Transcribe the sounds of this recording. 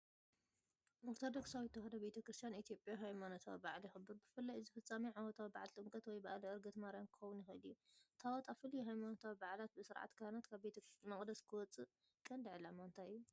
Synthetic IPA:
moɾt̪ʰod̪oksawit̪ʰːɐxɐd̪ɐbe̞t̪ʰɐkɾɨst̪ʰijanit̪ʰijo̞pʼjaɦajmanot̪ʰawibaʕlixɨbːɨɾbɨfɨlːajzɨfɨt͡sʼːamiʕawɔt̪ʰawibaʕalt̪ʼɨŋkʼɐt̪wɔjbaʔlɐɨɾɡɨt̪maɾjankʰɨxɐwunjɪxɐlijːut̪ʰawɔt̪ʼafɨlːijɦajmanot̪ʰawibaʕlat̪̚bɨsɨɾʕa̰t̪kʰahnat̪kʰaβbet̪ʰɐmɐχʼd̪ɐskʰɨwɔt͡sʼɨ | kʼɐnd̪ɨʕlamant̪ʰaɨjːu

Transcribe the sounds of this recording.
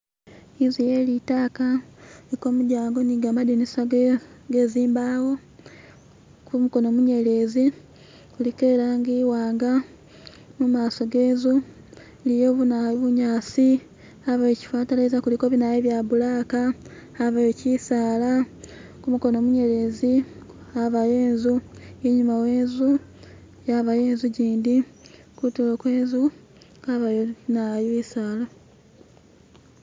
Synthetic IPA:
izije̞ːlitaːkaliko̞ːmuɟaːŋɡo̞niɡamadinisaɡɡe̞ziːmbawo̞ | kumuko̞no̞ːmuɲe̞le̞ːzi | kulikeːɾaːŋɡiːwaːŋɡa | mumaːso̞ɡe̞ːzu | lijo̞ːβunaβuɲaːsi | aβajeci̥faːtalezakulikoβinajeβjabulaːkaː | βajecisaːla | kumuko̞no̞ːmuɲe̞ɾe̞zi | aβajeːnzueɲumawe̞ːnzu | jaβajeːnzuɟiːndi | kutulokweːnzu | kaβajonajisaːla

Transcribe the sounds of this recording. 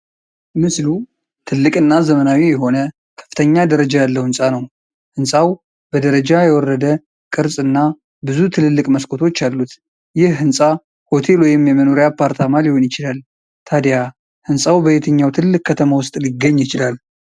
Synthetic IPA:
mɨslu | t̪ʰɨlːɨkʼɨnːazəmənawijɛɦo̞nə | kʰə̥fːɨt̪ʰəɲːad̪əɾəd͡ʒajalːəhɨnsʼanəw | hɨnsʼaw | b̥əd̪əɾəd͡ʒajɛwɔrəd̪ə | kʼɨɾsʼɨnːa | bɨzut̪ʰɨlɨlːɨkʼməskʼʰo̞t̪ʰo̞t͡ʃːalːut̪ | jɪhhɨnsʼa | ho̞t̪ʰe̞lwɔjɪmjɛməno̞ɾijapʰaɾt̪ʰamalihonjɪt͡ʃɪlal | t̪ʰad̪ja | hɨnsʼawbəβet̪ʰɨɲːawt̪ʰɨllːɨkʼʰːət̪ʰəmawʊst̪ʼliɡːəɲːjɪt͡ʃɪlal

